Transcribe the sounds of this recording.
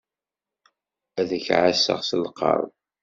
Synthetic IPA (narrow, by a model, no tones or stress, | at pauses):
æðəçʕasə̰ʁsəlqɑ̰ɾˤ